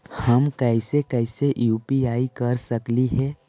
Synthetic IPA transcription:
həmkɛɪsekɛːɪseʔjuːpiaːikɐɾsəkliɦɛː

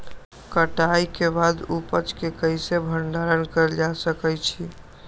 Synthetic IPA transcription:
kəʈajkebad̪upət͡ʃkekəjsebʱəɳɖaɾənkəɾd͡ʒasəkɛjt͡ʃʰi

